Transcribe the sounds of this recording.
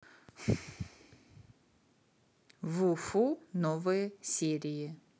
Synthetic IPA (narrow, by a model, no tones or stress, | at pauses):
vufunovɨjəsʲeɾʲɪjə